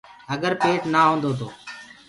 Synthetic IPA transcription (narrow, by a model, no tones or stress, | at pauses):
əɡəɾpeːʈnaːɦõːnd̪oːt̪̬oː